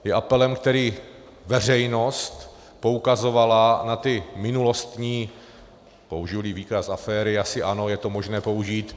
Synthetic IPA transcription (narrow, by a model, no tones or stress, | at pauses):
jɛʔapɛlɛmkt̪ɛɾiː | vɛr̝ɛjno̞st̪ | po̞ukazo̞valanat̪ɪmɪnulo̞st̪ɲiː | pouʒɪliːviːkasʔafɛːɾɪasɪʔano̞jɛt̪o̞mo̞ʒnɛːpo̞uʒiːt̪